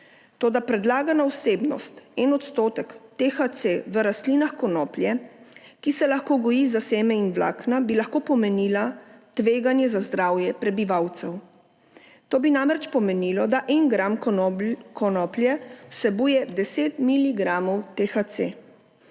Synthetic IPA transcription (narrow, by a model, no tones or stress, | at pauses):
t̪oːd̪apɾɛd̪laːɡanawseːbnɔ̰st̪ɛnɔt̪st̪oːt̪ɛkt̪exat̪seʋəɾast̪linaxkɔnɔːpljɛkisɛlaxkoːɡɔjizaseːmɛinʋla̰ːknabilaxkoːpɔmɛniːlat̪ʋeːɡanjɛzazd̪ɾaːwjɛpɾɛbiʋawt̪sɛw | t̪oːbinamɾɛt͡ʃpɔmɛnilɔd̪aʔɛŋɡɾam | kʰɔnɔːpljɛwsɛbuːjɛd̪ɛseːt̪miliɡɾamɔwt̪exat̪se